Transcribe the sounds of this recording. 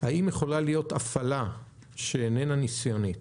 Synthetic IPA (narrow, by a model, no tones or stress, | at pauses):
haimjeχo̞lalijo̞tafala | ʃeːnenanisjonit